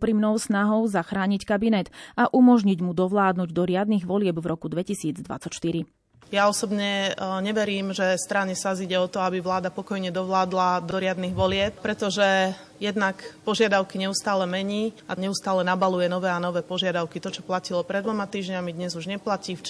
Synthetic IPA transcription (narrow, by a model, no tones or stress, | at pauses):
pɾimnɔʊsnaɦɔʊzaxɾaːɲickabinɛt̪aʔumɔʒɲiɟmud̪ɔʋlaːd̪nuɟd̪ɔɾɪad̪niɣʋɔlɪɛbvɾɔkud̪ʋɛcisiːd͡zd̪ʋa̰t͡sacʃt̪iɾi | jaɔsɔbɲɛɲɛʋɛɾiːmʒɛst̪ɾaɲɛsaziɟɛɔt̪ɔabiʋlaːd̪apɔkɔjɲɛd̪ɔʋlaːd̪lad̪ɔɾɪad̪niɣʋɔlɪɛp̚pɾɛt̪ɔʒɛ | jɛd̪nakpɔʒɪad̪aʊkiɲɛust̪aːlɛmɛɲiːaɲɛust̪aːlɛnabalujɛnɔʋɛːanɔʋɛːpɔʒɪad̪aʊkit̪ɔt͡ʃɔplacilɔpɾɛd̪ʋɔmat̪iːʒɲamid̪ɲɛzuʒɲɛplaciːf